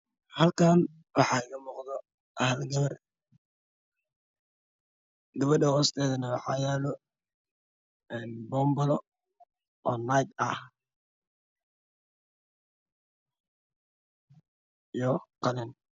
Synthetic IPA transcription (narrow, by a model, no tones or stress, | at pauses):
hɐlkʰaːn | wɑħɑɪɣɐmuːqðɔ | ʔɐhɐlɡɐβɐr | ɡɐβɐɖɐhɔːst̪ʰɛːðɐnɐwɑħɑːjɛːlɔ | ɛːnbɔːmbɔlɔ | ʔɔːnajd̪ɐh | ijɔqɑlɛn